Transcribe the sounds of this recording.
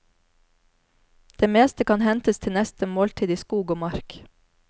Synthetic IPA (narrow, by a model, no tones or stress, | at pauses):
d̪̥eːmeːst̪əkʰɑnhɛnt̪əst̪ʰɪnɛst̪əmoːlt̪ʰiːd̪iːskuːɡoːmɑɾk